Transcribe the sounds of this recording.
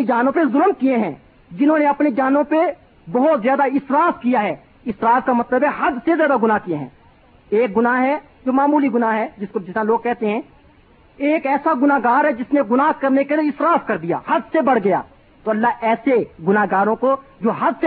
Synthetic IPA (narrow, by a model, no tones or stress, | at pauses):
id͡ʒaːnõpezʊlmkieɦɛ̃ː | d͡ʒɪnɦõneɐpnid͡ʒaːnõpe | bɐɦʊt̪zjaːd̪aɪsɾaːfkijaɦɛː | ɪsɾaːfkamɐt̪ləbɦɛɦɐd̪sezjaːd̪aɡʊnaɦkijeɦɛ̰̃ː | eːk̚ɡʊnaɦɛ | d͡ʒoːmaːmuːliɡʊnaɦɦɛd͡ʒɪskod͡ʒɪsaloːɡ̚kɛɦt̪eɦɛ̃ː | eːkɛːsaɡʊnaɦɡaːɾɦɛd͡ʒɪsneɡʊnaɦkɐɾnekelieɪsɾaːfkɐɾd̪ija̰ːhɐd̪sebɐɽ̤ɡɐja̰ː | t̪oɐlːaɦɛːseɡʊnaɦɡaːɾõkod͡ʒoːɦɐd̪ʱse